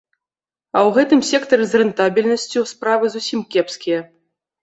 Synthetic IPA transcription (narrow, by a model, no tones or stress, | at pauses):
ɐwɣɛt̪ɨmsʲɛkt̪ɐɾɨzrɛnt̪abʲilʲnɐsʲt͡sʲuspɾavɨzusʲimkʲɛpskʲijɐ